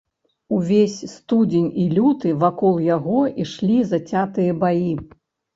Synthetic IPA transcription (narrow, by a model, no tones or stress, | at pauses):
uvʲesʲst̪ud͡zʲenʲilʲut̪ɨvakɔlˠjaɣɔiʂlʲizɐt͡sʲat̪ɨjɐbaji